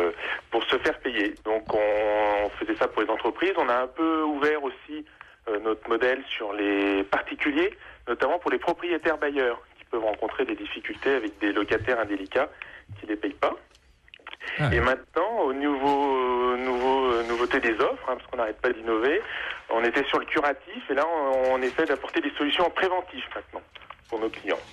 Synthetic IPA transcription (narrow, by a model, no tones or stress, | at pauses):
puʁsəfɛʁpejed̪ɔ̃kɔ̃fəzɛsapuʁlezɑ̃t̪χəpχizɔ̃naɛ̃pøuvɛʁosi | ønɔt̪χəmɔd̪ɛlsyʁlepaʁt̪ikʲyljenɔt̪amɑ̃puʁlepχɔpχijet̪ɛʁbajœːʁkʲi̥pœvʁɑ̃kɔ̃t̪χed̪ed̪ifikʲylt̪eavɛk̚d̪elɔkat̪ɛʁɛ̃d̪elikʲakʲilepɛjpa | emɛ̃t̪̚nɑ̃onuvonuvoønuvot̪ed̪ezɔfχɛ̃paʁskɔ̃naʁɛt̪̚pad̪inɔveɔ̰̃net̪ɛsyʁləkʲyʁat̪ifelãːnesɛjd̪apɔʁt̪ed̪esɔlysjɔ̃pχevɑ̃t̪ifmɛ̃t̪nɑ̃puʁnoklijɑ̰̃